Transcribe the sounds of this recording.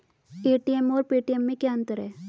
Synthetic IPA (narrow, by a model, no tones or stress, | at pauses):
eːʈiɛmɔːɾpiːʈiɛmːẽkjaə̃nt̪əɾɦɛː